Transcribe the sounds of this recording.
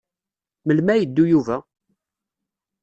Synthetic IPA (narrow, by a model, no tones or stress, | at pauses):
məlmæjəd̪ːujuvæ